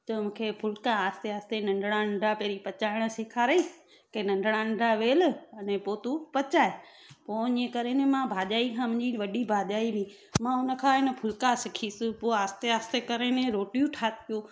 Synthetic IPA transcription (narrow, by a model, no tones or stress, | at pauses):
t̪ɐmũːkʰepʰʊlkaaːst̪eaːst̪enɐ̃ɳɖɽ̃anɐ̃ɳɖapeɾipɐt͡ɕaːɪɽ̃ə̆seːkʰaːɾəi | kɐnɐ̃ɳɖʱɽ̃anɐ̃ɳɖaʋeːlɐnẽpoːt̪upɐt͡ɕaːe | poːɪ̃ːẽkɐɾenẽmãbʱaːʄaːikʰãmʊ̃ɦɲd͡ʑiʋɐɗibʱaːʄaːibi | mãʊnə̆kʰãːɪnə̆pʰʊlkasɪkʰiːsɪpoaːst̪eaːst̪ekɐɾenẽɾoːʈijũʈʰaːt̪pjũ